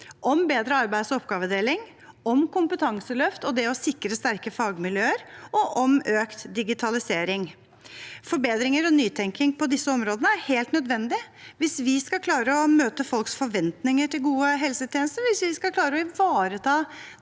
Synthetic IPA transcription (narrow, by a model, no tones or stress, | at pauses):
ʔɔmbeːd̪ɾəɑɾbæɪd̪sɔɔpɡɑːʋəd̪eːlɪŋ | ɔmkʊmpət̪ʰɑŋsəlœft̪ɔd̪ɛɔsɪkɾəst̪æɾkəfɑːɡmɪljøːəɾʔɔʔɔmøːkt̪d̪ɪɡɪt̪ʰɑlɪseːɾɪŋ | fɔɾbeːd̪ɾɪŋəɾɔnyːt̪ʰɛŋkɪŋpʰɔd̪ɪsːəɔmɾoːd̪ənəæɾheːlt̪nœd̪ʋɛnd̪ɪʋɪsʋɪskɑkʰlɑːɾəɔmøːt̪əfɔlksfɔɾʋɛnt̪nɪŋəʈɪlɡuːəɦɛlsət̪ʰjɛːnəst̪əɾʋɪsʋɪskɑlkʰlɑːɾəɔɪʋɑːɾət̪ʰɑː